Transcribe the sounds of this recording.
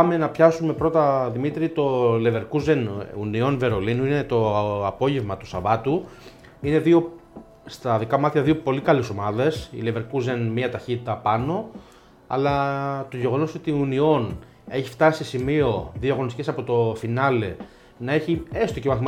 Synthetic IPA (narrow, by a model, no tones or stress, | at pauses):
ɐme̞nɐpçɐsume̞pɾo̞t̪ɐðimit̪ɾit̪o̞le̞ve̞ɾkuze̞nunio̞nve̞ɾo̞linuine̞t̪o̞ɐpo̞ʝe̞vmɐt̪u̥sɐvɐt̪u | ine̞ðio̞ | st̪ɐðikɐmɐt̪çɐðio̞po̞likɐleso̞mɐðe̞sḭle̞ve̞ɾkuzenmiɐt̪ɐçit̪it̪ɐpɐno̞ | ɐ̰lɐt̪o̞ʝe̞ɣo̞no̞so̞t̪iunio̞n | e̞çift̪ɐsisimio̞ðioɐɣonist̪ice̞sɐpo̞t̪o̞finɐle̞ | nɐe̞çie̞st̪ocemɐθim